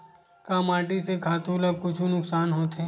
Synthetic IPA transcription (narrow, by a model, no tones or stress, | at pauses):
kaːmaːʈisekʰaːt̪uːlakʊt͡ʃʰunʊksaːnɦoːt̪eː